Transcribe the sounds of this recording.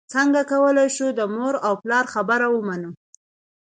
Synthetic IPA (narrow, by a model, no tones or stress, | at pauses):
t͡səŋɡakawəlajʃud̪əmoɾawplɑɾxabaɾawəmanu